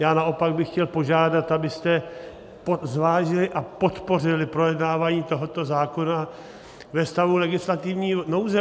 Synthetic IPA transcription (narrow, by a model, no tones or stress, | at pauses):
jaːnaʔo̞paɡ̚bɪxcɛlpo̞ʒaːdat̪ʔabɪst̪ɛ | pozvaːʒɪlɪʔapo̞t̪po̞rɪlɪpɾo̞jɛdnaːvaːɲiːt̪o̞ɦo̞t̪o̞zaːko̞na | vɛst̪avulɛɡɪslat̪ɪvɲiːno̞wzɛ